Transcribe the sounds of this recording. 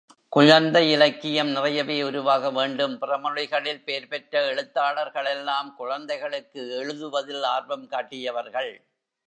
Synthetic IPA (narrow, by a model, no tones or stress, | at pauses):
kʊɻɐnd̪ɐɪɪlɐɪkːɪjɐmnɪrɐjɐʋeːʊɾʊʋaːɣɐʋeːɳɖɯmpɪrɐmɐɻɪɣɐɭɪlpeːɾpɛʈrɐɛɻɯt̪ːaːɭɐɾɣɐɭɛlːaːmkʊɻɐnd̪ɐɪɣɐɭɯkːɯɛɻɯðɯʋɐðɪlaːɾbɐmkaːʈːɪjɐʋɐɾɣɐɭ